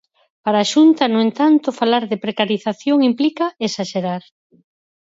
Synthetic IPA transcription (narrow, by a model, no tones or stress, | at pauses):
paɾaːʃunt̪ɐnʊent̪ant̪ʊfalaɾðɪpɾekaɾiθaθjoŋimplikɐesaʃeɾaɾ